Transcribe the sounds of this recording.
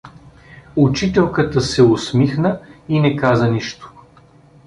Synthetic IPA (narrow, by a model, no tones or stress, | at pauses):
ʊt͡ʃit̪ɛlˠkət̪əsɛʊsmixnəinɛkazəniʃt̪ʊ̥